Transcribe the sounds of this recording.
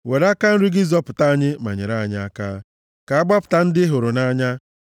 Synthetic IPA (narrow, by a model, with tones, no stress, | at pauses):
we˨ɾa˦ka˦n̩˦ɾɪ˦ɡɪ˦zɔ˦pʊ˨ta˦a˦ɲɪ˦ma̰˨ɲḛ˨ɾa˦˨ɲa˦a˦ka̰ː˦ | ka˨a˦ɡ͡ba˦pʊ̥˨ta˦n̩˦dɪ˦ɦʊ˨ɾʊ˨na˦ɲa˦